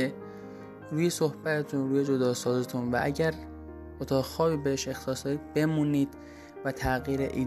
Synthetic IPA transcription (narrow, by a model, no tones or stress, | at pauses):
e | ɾuːje̞so̞hbæt̪ʰet̪ʰunɾuːje̞d͡ʒo̞d̪ɒːsɒːzet̪ʰunvæ̰ʔæ̰ɟæɾ | ot̪ʰɒːxɒːbiːbeheʃe̞xt̪ɒːsd̪ɒiːd̪̚be̞muniːd̪̥ | væt̪ʰæɣiːɾḛʔiː